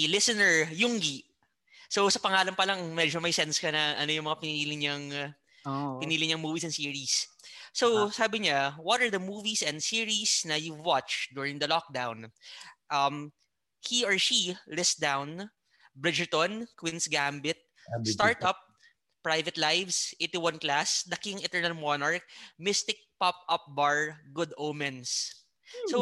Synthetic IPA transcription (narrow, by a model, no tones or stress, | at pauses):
lɪsɛnɛɹjʊŋɡi | sowsɐpɐŋaːlɐnpɐlɐŋmɛd͡ʒomɐjsɛnskɐnɐʔɐno̞jʊŋmɐŋapɪniːlɪŋɲɐŋ | pɪniːlɪɲɐŋmuːvisɛnsiːɹissowsaːbɪɲawɔt̪ɐɹd̪ɐmuːvisɛnd̪siɹisnɐjuwat͡ʃd̪uɹɪ̃ŋd̪ɐlɔk̚d̪awnʔɐm | hiɔɹʃilɪsd̪awn | bɹɪd͡ʒət̪ɔnkwinsɡambɪt̪̚ | st̪aɹt̪ɐp̚ | pːɹajvɛt̪lajvsʔejt̪iwɐ̃nklasd̪ɐkɪŋɛt̪ɛɹnɐlmɔnaɹk̚mɪst̪ɪk̚pap̚ɐp̚baɹɡʊd̪oːmɛns | sow